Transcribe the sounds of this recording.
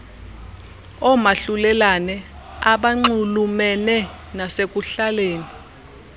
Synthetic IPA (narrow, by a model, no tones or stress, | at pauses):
ɔmaɬulɛlanɛ | aɓaŋ͡ǀulumɛnɛ | nasek̬uɬaleːni